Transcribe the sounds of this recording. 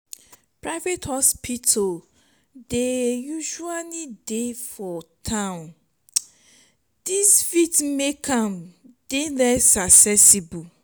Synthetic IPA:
pɹaɪvethɔspʰitʰo | dejuʃualidefɔtʰãʊ̃n | d̥isfitmekʰãmd̥elɛsaksɛsibu

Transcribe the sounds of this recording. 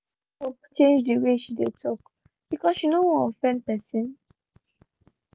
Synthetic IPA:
hopt͡ʃẽnd͡ʒdiweʃidetʰɔk | b̥ikɔsʃinowɔ̃fɛ̃npɛsĩn

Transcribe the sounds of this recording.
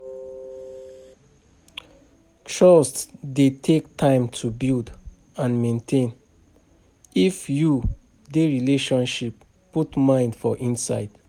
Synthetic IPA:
tʰɹɔstdetʰektʰãɪ̃mtʰubild | ãnmẽntʰẽn | ifju | deɹileʃɔ̃nʃipː | utmãɪ̃ndfɔʔĩnsa̰ɪd̥

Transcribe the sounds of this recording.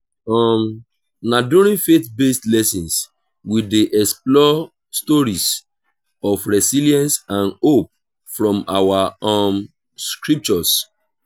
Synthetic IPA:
ɔm | nadũɾĩfetbestlɛsĩns | wideʔɛksplɔ | stɔɹis | ɔfɹɛsiliɛ̃nsãnop̚ | fɹɔ̃mawaɔm | skɹip̚t͡ʃɔs

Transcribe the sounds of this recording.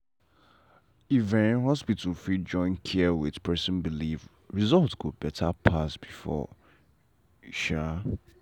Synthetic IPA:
ivɛ̃hɔspitʰul̩fid͡ʒɔ̃ɪ̃nkʰɛɛwɪdpʰɛsə̃nbiliv | ɹizɔltskʰud̚bɛtʰapʰasb̥ifɔ̰ | ʃa

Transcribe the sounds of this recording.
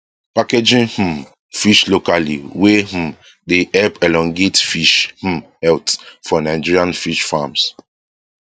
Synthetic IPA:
paked͡ʒĩnh̩ | fiʃlokalḭweh̩ | deʔɛpɛlɔ̃ŋɡetfiʃh̩ | ɛltfɔnaɪd͡ʒiɹiãnfiʃfams

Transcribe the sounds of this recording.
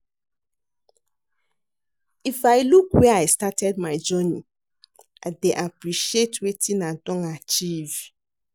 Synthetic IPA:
ifaɪlukwɛaɪstatɛd̚maɪd͡ʒɔni | ʔaɪdeʔapɹiʃietʰwetʰĩnadɔ̃nat͡ʃiv

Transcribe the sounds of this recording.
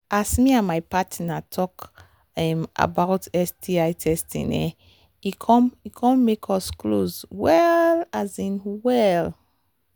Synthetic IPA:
asmiãnmajpatnatʰɔk | ɛma̰bawtʰɛsdiajtʰɛstʰḭ̃nɛ̰ | ikʰɔ̃mikʰɔ̃nmekʰɔsklozwɛlazĩnwɛl

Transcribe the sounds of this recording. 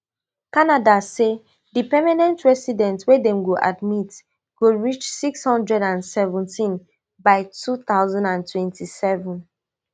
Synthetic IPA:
kanadase | dipɛmanɛ̃ntɹɛsidɛ̃ntswedɛ̃mɡoʔadmit | ɡ̥oɹit͡ʃsikshɔ̃ndɹɛdãnsɛvɔ̃ntʰĩn | baɪtʰuθaʊzãndãntwɛ̃ntʰisɛvɔ̃n

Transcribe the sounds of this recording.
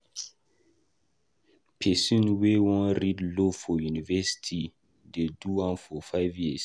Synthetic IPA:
pʰɛsĩnwewɔ̃nɾidlofɔjunivɛsi̥tʰi | deduwãnfɔfaɪvjiəs

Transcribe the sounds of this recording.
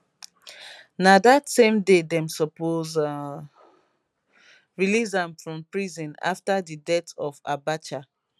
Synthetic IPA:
nadatsẽmdedɛ̃msɔpoz | ɹilizãmfɹɔ̃mpɹizɔ̃na̰ftadidɛtɔva̰bat͡ʃa

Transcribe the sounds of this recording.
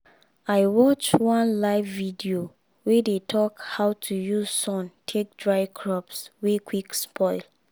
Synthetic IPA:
aɪwɔt͡ʃwɔ̃nlaɪvːidio | wedetʰɔkhaʊtʰujuzsɔ̃ntʰek̚dɹaɪkʰɹɔpswekwikspʰɔɪl

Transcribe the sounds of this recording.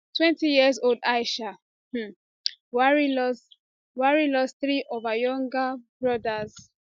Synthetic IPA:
twɛ̃ntijiəzoldaɪʃa | waɹilɔs | waɹilɔsθɹiʔɔvajɔ̃ŋɡabɹɔdaz

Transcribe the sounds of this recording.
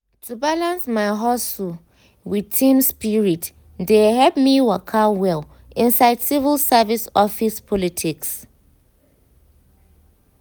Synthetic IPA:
tʰubalãnsmaɪɦɔsu | widtʰĩmspiɹit | dehɛlp̚miwakʰawɛl | ʔĩnsaɪdsivilˠsavisɔfispʰɔlitʰiks

